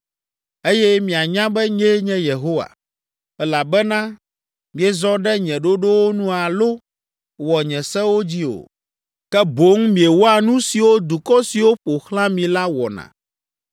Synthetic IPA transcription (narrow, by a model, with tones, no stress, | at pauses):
e˦jɛ˦mĩ˨a˨ɲã˦bɛ˦ɲẽ˦ɲɛ̃˦je˨ɦo˦wa̰˨ | ɛ˦la˨bɛ˦nã˦ | mĩ˨ɛ˨zɔ˦ɖɛ˦ɲɛ̃˨ɖo˦ɖo˦wo˦nũ˦a˨lo˦ | wɔ˨ɲɛ̃˨sɛ̃˦wo˦d͡ʑi˦o̰˨ | kɛ˦bo˨˦ŋmĩ˨ɛ˨wo˦a˨nũ˦si˨wo˦d̪u˨kɔ˦si˨wo˦ɸo˨xlã˦mĩ˨la˦wɔ̰˨nã̰˨